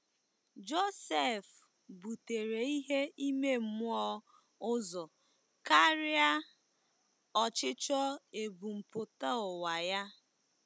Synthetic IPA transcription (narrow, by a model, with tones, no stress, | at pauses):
d͡ʒo˦se˦˨f | bu˨te˨ɾe˨i˦ɦe˦i˦me˦m̩˦mʊ˦ɔ˦ | ʊ˦zɔ˨ | ka˦ɾɪ˦a˦ | ɔ˨t͡ʃɪ˦t͡ʃɔ˦e˨bu˨m̩˨pʊ˨ta˦ʊ˨wa˨ja˦